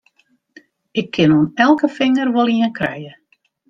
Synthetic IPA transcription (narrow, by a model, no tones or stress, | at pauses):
ɪkʰːɪnonɛlˠkəfɪŋərʋolˠiənkʰrɛ̰jə